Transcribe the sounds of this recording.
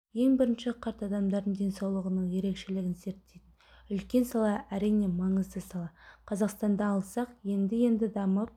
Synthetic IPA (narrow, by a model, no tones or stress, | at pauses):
je̞ŋbɪɾɪnʃɪqʰɑɾt̪ɑd̪ɑmd̪ɑɾd̪əɴd̪ʲe̞nsɑwlˠəʁənəɴje̞ɾe̞kʃe̞lɪɡʲɪnse̞ɾt̪ːe̞jt̪ɪn | ʏlkʲe̞nsɑlˠɑæɾijne̞mɑɴəzd̪əsɑlˠɑqʰɑzɑqst̪ɑnd̪ɑːlˠsɑqje̞nd̪ɪje̞nd̪ɪd̪ɑməp̚